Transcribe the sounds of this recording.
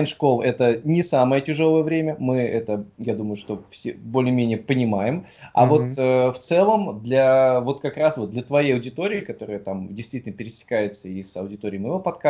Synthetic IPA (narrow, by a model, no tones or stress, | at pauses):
nʲʂko̞lˠɛt̪ənʲɪsaməjətʲɪʐo̞lˠəjəvɾʲemʲəmɨɛt̪əjad̪uməjʊʂt̪o̞fsʲḛbolʲɪːmʲenʲɪjəpənʲɪmajɪma̰vo̞t̪əft̪sɛlˠəmd̪lʲavo̞t̪kɐkɾasvo̞t̪̚d̪lʲət̪vɐjejɐʊdʲɪt̪o̞ɾʲɪːkɐt̪o̞ɾɨjət̪amdʲɪjst̪vʲitʲɪlnəpʲɪɾʲɪsʲɪ̥kajɪt̪səisɐʊdʲɪt̪o̞ɾʲɪjmɐjɪvopɐt̪ka